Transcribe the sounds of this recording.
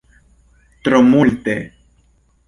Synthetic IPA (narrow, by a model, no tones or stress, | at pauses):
t̪ɾomult̪e